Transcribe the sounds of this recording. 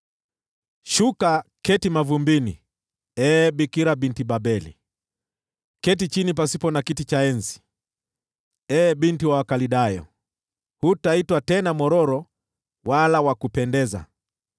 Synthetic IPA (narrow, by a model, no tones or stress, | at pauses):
ʃukakɛtimavumbini | ɛɓikiɾaɓintiɓaɓɛlḭ | kɛtit͡ʃinip̬asipɔnakitit͡ʃaɛnzi̥ | ɛɓintiwawakaliɗajɔ̰ | hutaitwatɛnamɔɾɔɾɔ | walawakupɛndɛza̰